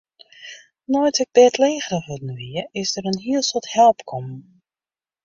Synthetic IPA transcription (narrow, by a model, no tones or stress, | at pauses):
nɔjtʰɪk̚dɛtʰleːɣrəxʋudən̩ʋiəɪsdəɾənɦiəlˠsɔthɛlˠpkʰɔm